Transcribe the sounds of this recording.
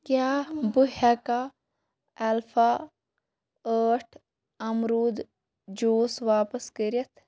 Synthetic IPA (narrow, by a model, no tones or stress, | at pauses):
kjaːbuɦɛka | ɛlfʰa | əːʈʰ | ɐmɾuːd̪ | d͡ʒoːsʋaːpəskəɾiɐt̪ʰ